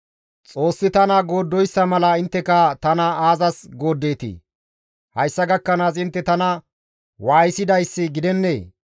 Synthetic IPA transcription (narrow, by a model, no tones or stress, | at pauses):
t͡sʼo̞ːsːɪt̪ɐnɐɡo̞ːd̪ːɔjsːɐmɐlɐɪnt̪ːɛkɐt̪ɐnɐaːzɐsɡo̞ːd̪ːe̞ːt̪ḭː | hɐjsːɐɡɐkːɐnaːs̬ɪnt̪ːɛt̪ɐnɐ | waːjsɪd̪ɐjsːɪɡɪd̪ɛnːḛː